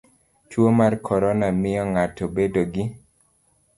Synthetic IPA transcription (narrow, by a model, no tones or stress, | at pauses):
t͡ʃwomarkʰɔɾɔnamɪɔŋatɔbedoɡɪ